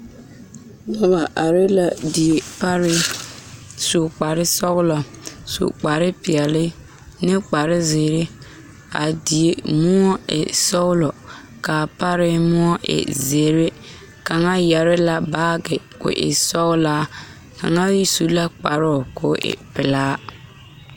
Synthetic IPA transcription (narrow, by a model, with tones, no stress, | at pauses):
nɔ˦ba˨ʔa˨ɾɪ˦la˨di˨e˨pa˦ɾɪ˦ | sʊ˨k͡pa˨ɾɪ˦sɔ˦ɣlɔ˨sṵ˨k͡pa˨ɾɪ˦pɪ˨ɛ˨lɪ˦ | nɪ˦k͡pa˨ɾɪ˦ze˨ɾɪ˦ | a̰˨di˨e˨mʊ˦ɔ˦ɪ̰˨sɔ˦ɣlɔ˨ | ka˨pa˦ɾɪ˦mʊ˦ɔ˦ʔɪ̰˨zeː˨ɾɪ˦ | ka˨ŋa˦jɛ˨ɾɪ˦la˨baː˦ɡɪ˨ | kʊ̰˨ʔɪ̰˨sɔ˦ɣlaː˦ | ka̰˨ŋa˦su˨˦la˦k͡pa˨ɾʊ˦˨ko˨ʔɪ̰˨pɪ˨laː˦